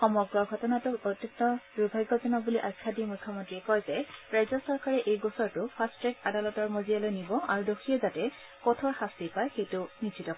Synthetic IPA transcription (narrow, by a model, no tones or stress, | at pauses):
xɔmɔɡɹɔɡʱɔtɔnatʊotːɔntɔdubʱajɡɔzɔnɔbuliʔajkʰːadimujkʰːɔmɔntɹiɛkɔjzɛɹajzɔsɔɹkaɹɛʔejɡosɔɹtʊpʰastɹɛkadalɔtɔɹmozialojnibɔʔaɹudoxʰiɛzatɛ | kɔtʰɔɹxastipajxejtʊnisʰitɔk